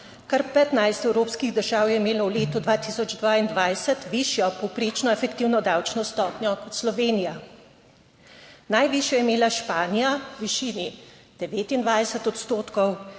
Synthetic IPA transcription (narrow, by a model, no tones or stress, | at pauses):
kaɾpɛt̪najst̪ɛwɾoːpskiɣd̪əɾʒaːwjɛimeːlɔwleːt̪ud̪ʋaːt̪isɔd͡ʒd̪ʋaːind̪ʋajsət̪ʋiʃjɔpɔwpɾeːt͡ʃnɔɛfɛk̚t̪iːwnɔd̪awt͡ʃnɔst̪ɔːpnʲjɔkɔt̪slɔʋeːnija | najʋiʃjɛjɛmeːlaʃpaːnijaʋiʃiːni | d̪̥ɛʋeːt̪ind̪ʋajsɛt̪ɔt̪st̪oːt̪kɔw